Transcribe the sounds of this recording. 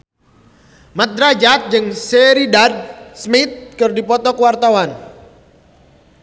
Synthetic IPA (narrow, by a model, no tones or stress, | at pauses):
mat̪̚ɾad͡ʒat̪̚d͡ʒɨŋseɾidad̚smit̪̚kɨrdipɔt̪ɔkəwart̪awan